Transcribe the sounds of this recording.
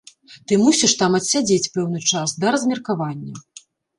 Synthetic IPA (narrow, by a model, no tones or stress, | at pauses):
t̪ɨmusʲiʂt̪amɐt̪ʲsʲad͡zʲet͡sʲpɛwn̪ɨt͡ʂasd̪ɐɾɐzmʲɐrkavanʲːɐ